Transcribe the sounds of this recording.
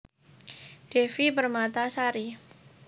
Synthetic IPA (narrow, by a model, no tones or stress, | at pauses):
d̥efibərmat̪asaɾi